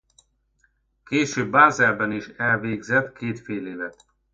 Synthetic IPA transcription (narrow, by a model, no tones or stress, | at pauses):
keːʃøːbːaːzɛlbɛniʃɛlveːɡzɛt̪kʰeːt̪feːleːvɛt̪